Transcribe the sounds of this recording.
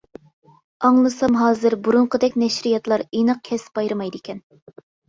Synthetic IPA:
ɑŋlˠɨsɑmɦɑːzɨɾbuɾuɴqəd̪ɛkʲnɛʃɾijɑt̪lˠɑɾenɨq̚kʲʰɛsb̥ɑjɾɨmɑjd̪ɪkʲʰɛn

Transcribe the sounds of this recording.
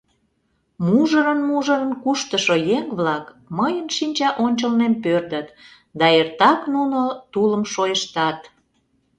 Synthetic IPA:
muʒəɾənmuʒə̆ɾənkuʃt̪əʃojeŋβlɑk | məjənʃinʲt͡ɕɑʔonʲt͡ɕəlnempørd̪ət̪ | d̪ɑert̪ɑknunot̪uləmʃojəʃt̪ɑt̪

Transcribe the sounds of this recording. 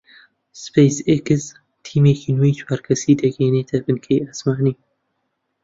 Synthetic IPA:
spejsekɨz | t̪ʰiːmeːkiːnuit͡ʃwaːɾkʰɐsiːd̪ɐɡeːneːt̪ʰɐbɨnkʰejasmaːniː

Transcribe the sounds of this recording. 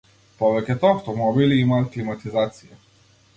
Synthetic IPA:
pɔvɛkʲɛt̪ɔaft̪ɔmɔbiliimaːt̪̚klimat̪izat̪sija

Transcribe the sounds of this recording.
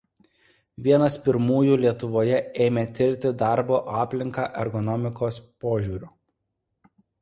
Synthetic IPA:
ʋʲiɛnɐspʲɪɾmuːjuːlʲiɛt̪ʊʋoːjɛʔeːɪmʲeːt̪ʲɪɾʲt̪ʲɪd̪ɑɾboːʔɑːpʲlʲɪŋkɑːʔɛɾɡɔnɔmʲɪkoːspoːʒʲuːɾʲuː

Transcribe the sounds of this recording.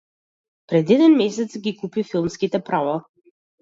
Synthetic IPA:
pɾɛd̪ɛd̪ɛnmɛsɛt̪sɡikupifilˠmskit̪ɛpɾava

